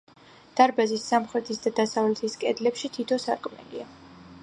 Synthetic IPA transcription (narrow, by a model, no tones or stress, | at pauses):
d̪̥aɾbazisːamχɾɛt̪ʰisd̪ad̪asavlɛt̪ʰiskʼɛd̪lɛpʃit̪ʰit̪ʰɔsaɾkʼmɛ̰lḭa